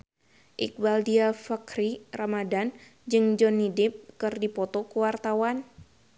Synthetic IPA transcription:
ʔḭk̚baldiafakɾiramadand͡ʒɨŋd͡ʒɔnːidɪp̚kɨrdipɔt̪ɔkəwart̪awan

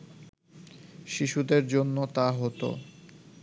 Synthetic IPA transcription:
ʃiʃud̪eɾd͡ʑonːot̪aɦɔt̪o̰

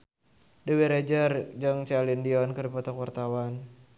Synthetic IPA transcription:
dəweɾed͡ʒərd͡ʒaŋt͡ʃalindiɔnkərdipɔt̪ɔkwart̪awan

